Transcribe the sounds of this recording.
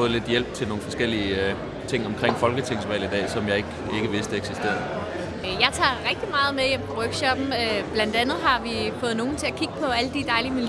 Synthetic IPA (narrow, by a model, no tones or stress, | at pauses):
ɔ̽ð̩ˠle̝d̥jel̰b̥̚t͡sʰelno̝ːn̩fɒ̽sɡ̥el̰iə | t͡sʰe̝ŋ̰ɒ̽mkʰʁeŋ̰fɒ̽lɡ̥ət͡sʰe̝ŋ̰sʋɛ̰ːlid̥ɛ̰ːsɒ̽mjɑ̈ɪeɡ̥ | e̝ɡ̥əʋe̝sd̥eeɡ̥sisd̥e̝̰ɐð̩ˠ | jɑ̈ɪt͡sʰɑ̰̈ʁɛɡ̥̚d̥imɑ̈ːð̞̩ˠmeðˠjem̰pʰɒʁœɡ̥ɕɒ̽b̥n̩øb̥læn̰d̥ænð̞̩ˠɦɑ̈ʋifɔ̽ːð̞̩ˠno̝ːn̩t͡sʰe̝ækʰiɡ̥əpʰɒ̽æləd̥id̥ɑ̈ɪlimin